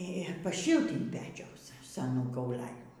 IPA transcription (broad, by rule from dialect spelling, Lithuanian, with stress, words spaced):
ɪ pɐˈʃʲɪlˠt ɪn pʲɛt͡ʃʲɛʊs sʲɛˈnuː kɐʊˈlʲæːlʲuː